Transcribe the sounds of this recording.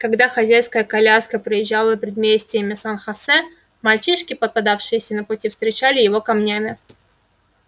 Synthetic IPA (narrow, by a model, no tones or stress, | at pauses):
kɐɡd̪axɐzʲæjskəjəkɐlʲaskəpɾəjɪʑːalˠəpʲɾʲɪd̪mʲesʲtʲɪjəmʲɪsanxɐsɛ | mɐlʲt͡ɕiʂkʲɪpət̪̚pad̪afʂɨjɪsʲənəpʊtʲifst̪ʲɾʲɪt͡ɕalʲɪjɪvo̞kɐmnʲamʲɪ